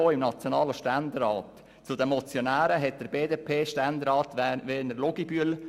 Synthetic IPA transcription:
oːɪmnɑt͡sjonɑːləʃtɛndəɾɑːt | t͡sudɛmɔt͡sjonæːɾəɦɛt̚d̥əɾbeːdeːpʰeːʃtɛndəɾɑːtʋeːnəɾloɡ̥ib̥yəl

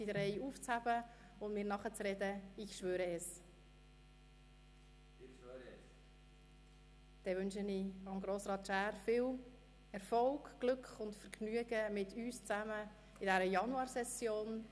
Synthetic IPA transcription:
sidəɾɛɪuːft͡shæb̥ə | ʊnmɪːɾnɑχət͡srɛdəɪçʃʋøːɾəɛs | d̥ɛʋʏnʃəniɑmɡɾoːsɾɑːt̪ʃæːɾfɪːl | ɛɾfɔlɡ̥ɡ̥lʏkχʊntfəɾɡnyəɡəmɪtyːst͡sæmə | ɪdɛɾəjɑnuɑːɾsɛsjoːn

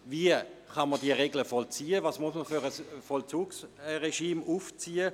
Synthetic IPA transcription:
viəχɑnməd̥iəʁeɡləfɔlt͡siːəvaːsmuəsməfyʁəsfɔlt͡suːksʁeʃiːmʔuft͡siːə

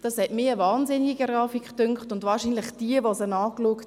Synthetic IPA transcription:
d̥ɑshɛtmɪːəʋɑːnzɪnɪɡiɡɾɑːfikχtʏŋkχtʊndʋɑːɾʃiːnləχd̥iəʋosənɑːkluəkt

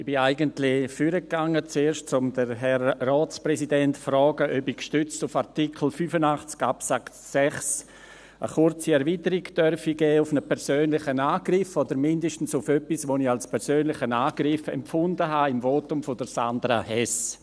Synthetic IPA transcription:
ɪb̥ɪaɪɡəntlɪfyɾək̚ːaŋːət͡seːɾʃtt͡sʊmdəɾɦɛɾːɔːt͡spɾɛsidɛntfɾɔːɡəʔœbikʃtʏt͡stufaɾtikʰl̩fyːfənaχt͡skapsak | sɛχs | ʔə̰χʊrt͡siɛɾviːtəɾiɡd̥œrfiɡɛːʊfnəpʰɛɾsøːnlɪχənaːɡ̥rɪfodəɾmɪndəʃtən̩sʊfœpisʋoːnialspʰɛɾsøːnlɪxənaːɡ̥ɾɪfɛ̰mfʊndəɦaɪmvoːtʊmfodəɾsandɾa̰hɛs

